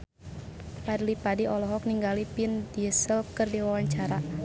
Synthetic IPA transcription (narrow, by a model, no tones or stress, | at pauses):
padlipadiʔɔlɔɦɔk̚niŋɡalipindiəsəlkərdiwawaɲt͡ʃaɾa